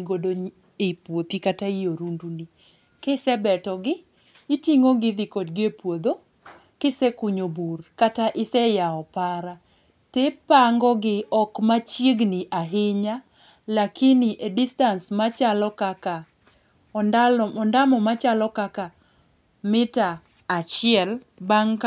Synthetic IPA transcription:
ɡodoɲ | epwot̪ikataijoɾunduni | kɪsɛbɛtɔɡɪː | tiŋoɡɪd̪ɪkodɡɪepwod̪o | kɪsɛkuɲoburkataʔɪsɛjaɔpaɾa | tɪpaŋɡɔɡɪɔkmat͡ʃjeɡniʔaɦɪɲa | lakɪnɪʔedistansmat͡ʃalɔkaka | aɔndamɔmat͡ʃalɔkaka | mɪtaː | t͡ʃɪɛl | baŋka

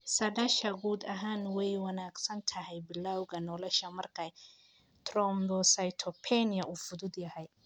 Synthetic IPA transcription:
sɐɖɐʃɐɡuːd̪ɐɦaːnwɛjwɑnaːɡsɐnt̪ʰɐhɛjbɪlawɣɐnɔlɛʃɐmɐrkʰɐj | t̪ʰrɔmd̪ɔsɐjt̪ʰɔpʰɛnɪɐʔuːfʊðʊd̪jɐhɛj

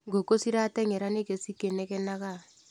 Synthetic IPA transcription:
ŋɡokosiɾatɛŋɛɾanekesikenɛkɛnaka

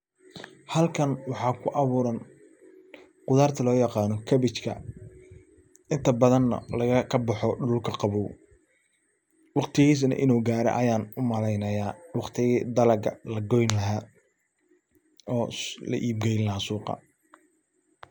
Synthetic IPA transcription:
hɐlkʰɐnwɑħɑːkʰʊʔɑβuːɾɐn | qʊðaːrt̪ʰɐlɔːjɑqɑːnɔkʰɐβɪt͡ʃkʰɐ̰ | ɪnt̪ʰɐbɐðɐnːɐ̰lɐɣɐkʰɐbɐħɔɖʊʊlkʰɐqɑβuw | wɑqt̪ʰɪɣiːs̬nɐ̰ʔɪnuːɡaːɾɛ̰ʔɐjaːnʊmɐlɛjnɐjaːwɑqt̪ʰɪɣiːd̪ɐlɐɡɐlɐɡɔjnlɐɦaː | ɔːlɐ̰ʔiːb̚ɡɛjɪnlɐɦaːsuːqɑ̰

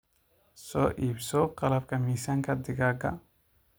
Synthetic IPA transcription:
sɔːʔiːbsɔqɐlɐb̚kʰɐmiːsɐŋkʰɐd̪ɪɡaɡɐ̰

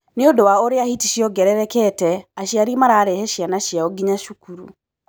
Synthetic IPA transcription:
neodowaoɾeahitiʃiɔɡɛɾɛɾɛkɛtɛaʃiaɾimaɾaːɾɛhɛʃianaʃijaɔɡiɲaʃukuɾṵ

